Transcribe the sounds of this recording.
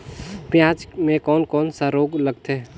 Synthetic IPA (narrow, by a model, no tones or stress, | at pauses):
pjãːt͡ʃmẽkɔːnkɔːnsaɾoːɡləɡt̪e